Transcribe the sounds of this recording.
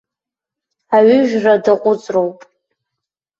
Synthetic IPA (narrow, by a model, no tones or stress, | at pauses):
aɥʏʒᶣradɨqʷʼʊt͡sʼrowpʼ